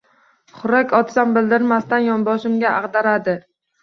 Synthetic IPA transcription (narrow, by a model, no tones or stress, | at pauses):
χʊɾakʲɒt̪ʰsambɪld̪ɪɾmast̪anjɒnbɒʃɪmɡʲaʔaʁd̪aɾad̪ɪ